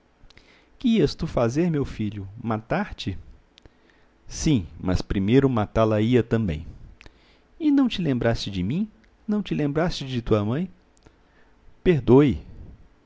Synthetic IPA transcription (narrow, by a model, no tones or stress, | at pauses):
kɪiɐst̪ufazeɾmewfiʎʊmat̪aɾt͡ʃɪ | sĩmɐ̰spɾimejɾʊmat̪alɐiɐt̪ɐ̃mbḛ̃j̃ | ɪnɐ̃w̃t͡ʃɪlẽmbɾast͡ʃɪd͡ʒɪmĩ | nɐ̃w̃t͡ʃɪlẽmbɾast͡ʃɪd͡ʒɪt̪uɐmɐ̃j̃ | peɾd̪oɪ